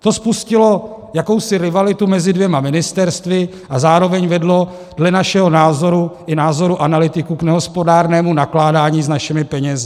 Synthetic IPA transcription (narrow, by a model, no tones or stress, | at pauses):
t̪o̞spuscɪlo̞jako̞wsɪɾɪvalɪt̪umɛzɪdvjɛmamɪnɪst̪ɛɾst̪vɪ | ʔazaːɾo̞vɛɲvɛdlo̞ | d̥lɛnaʃɛɦo̞naːzo̞ɾuʔɪnaːzo̞ɾuʔanalɪt̪ɪkuknɛɦo̞spodaːɾnɛːmunaklaːdaːɲiːznaʃɛmɪpɛɲɛzɪ